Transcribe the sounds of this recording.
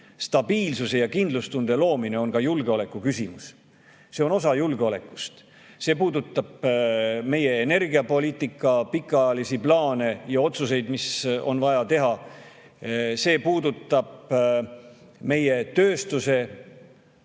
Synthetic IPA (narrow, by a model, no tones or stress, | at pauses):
st̪ɑbiːlsuse̞jɑkind̪lust̪und̪̥e̞lo̞ːmine̞o̞nkɑjulɡ̥eo̞le̞kːˑukysʲimus | se̞o̞no̞sɑjulɡeo̞le̞kːˑu̥st̪ | se̞ːpuːd̪ut̪ːˑɑb̥me̞je̞ːne̞rɡiɑpo̞liːt̪ːˑikːˑɑpikːˑɑɑjɑlisiplɑːne̞jɑo̞t̪suse̞jd̪̥miso̞̰nvɑjɑt̪e̞ɦɑ | se̞ːpuːd̪ut̪ːˑɑb̥̚ | me̞je̞t̪ø̞ːst̪use̞